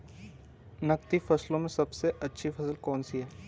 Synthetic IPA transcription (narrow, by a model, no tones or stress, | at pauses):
nɐk̚t̪ifɐslõmẽsɐbseʔɐtːʃʰifɐsəlkɔːnsiɦɛː